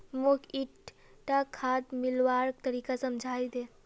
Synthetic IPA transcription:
mokiʈ | ʈakʰaːd̪mɪlwaːɾkt̪əɾiːkasɐmd͡ʒʱaːid̪eː

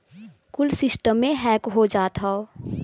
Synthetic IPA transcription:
kʊlsɪsʈəmːẽɦɛːkɦod͡ʒaːt̪ʰɦao

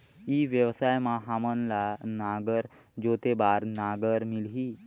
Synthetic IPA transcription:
iːʋjəʋsaːjmãɦamənlanaːɡəɾ | d͡ʒoːt̪ebaːɾnaːɡəɾmɪlɦiː

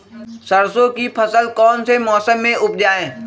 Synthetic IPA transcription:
sɐɾsõkipʰɐsəlkɔːnsemɔːsəmːẽʔʊp̚d͡ʒaːẽː

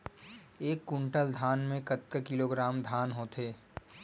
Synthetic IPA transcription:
eːkːʊ̃ɳʈəld̪ʱaːnmẽkɐt̪̚kəkɪloɡɾaːmd̪ʱaːnɦoːt̪ʰeː

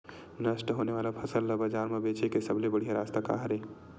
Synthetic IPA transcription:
nəsʈɦoneʋalapʰəsəlːəbəd͡ʒaɾmebet͡ʃekesəblebəɽ̤ijaɾast̪aka̰ɦɾe

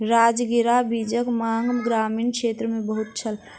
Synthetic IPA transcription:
ɾaːd͡ʒɡɪɾabid͡ʒəkmaːŋɡɡɾaːmiːnkʃeːt̪ɾəmẽbəɦʊt̪̚t͡ʃʰəl

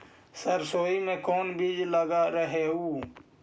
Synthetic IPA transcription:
səɾsoːimẽːkoːnbiːd͡ʒləɡaɾəɦeːɦuː

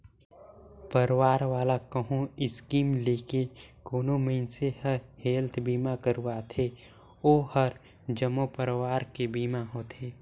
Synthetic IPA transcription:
pəɾwaːɾʋaːlakəɦõɪskiːmleːkekoːnoməɪnsehəɾheːlt̪ʰbiːmakəɾuwaːt̪ʰe | oːhəɾ | d͡ʒəmːopəɾwaːɾkebiːmaɦoːt̪ʰeː

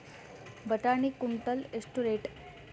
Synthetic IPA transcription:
bəʈanikunt̪əlesʈuɾeʈ

